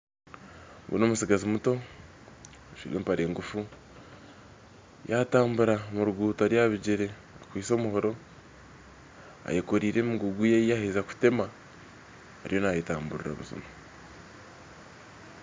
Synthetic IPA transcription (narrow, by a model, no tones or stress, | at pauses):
ɡṵnomusiɡazimuto̞ | aʃḭɾeːmpaɾeːŋɡufu | jataːmbuɾamuɾuɡuːtaɾjaβiɟiɾe̞ | akwiːso̞ːmuho̞ɾo̞ | a̰jekoɾiːɾe̞muɡuɡujejaheːzaku̥te̞ma | aɾijo̞najetaːmbuɾiɾa̰βṵzṵma